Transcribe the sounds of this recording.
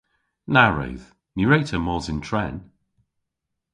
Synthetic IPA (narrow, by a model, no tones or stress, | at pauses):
naɹə̰ʊð̥ | nəɹeɪtʰəmɔːzɪ̃ntʰɹ̥ɛn